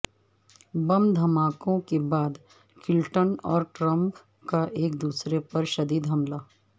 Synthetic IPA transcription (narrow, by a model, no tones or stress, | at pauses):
bɐmd̪ʱɐmaːkõkebaːd̪ | kɪlʈənɔːɾʈɾə̃mp | kaʔeːk̚d̪uːsɾepɐɾʃɐd̪iːd̪ɦɐmlaː